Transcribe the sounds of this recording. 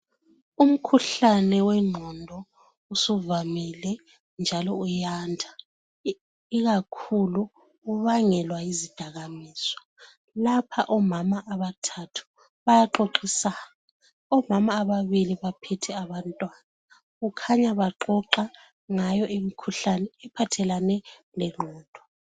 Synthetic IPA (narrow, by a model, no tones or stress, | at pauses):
um̩kʰuɬanɛwɛŋ͡ǃʱɔndʱɔ | usuvamilɛ | nd͡ʒʱalɔujaːndʱa | iɣakʰulu | uβaŋɛlwaizid̥ʱaɣamiːsɔ̥ | lapʰaʔɔmamaʔaβatʰatʰu̥ | βajaǃoǃisa | a | ɔmamaːβaβiliβapʰɛtʰɛaβantʼwana | ɣukʰaɲaβaǃɔǃa | ŋajɔʔimikʰuɬanɛːpʰatʰɛlanɛ | lɛŋ͡ǃʱɔːd̥ʱɔ